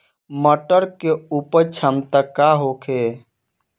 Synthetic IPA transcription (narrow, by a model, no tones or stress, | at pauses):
məʈəɾkeuːpəɾt͡ʃʰəmt̪akaɦokʰeː